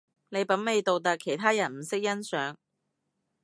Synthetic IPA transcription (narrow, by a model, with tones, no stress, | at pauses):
ne˨˧jpɐ˨˥nme˨˧jt̪o˨wt̪̬ɐ˨kʰːe˨˩jt̪ʰaː˥jɐ˨˩nm̩˨˩sɪ˥k̚jɐ˥nsœː˨˥ŋ